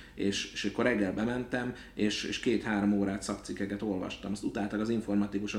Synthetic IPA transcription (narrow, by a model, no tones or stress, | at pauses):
eːʃʃøːkːorɾɛɡːɛlbɛmɛnt̪ɛm | eːʃḛːʃkeːt̪haːɾomoːɾaːt̪sɒkt̪sikːɛkɛt̪o̞lvɒ̰ʃt̪ɒmɒst̪ut̪aːlt̪ɒɡɒziɱfo̞rmɒt̪ikuʃo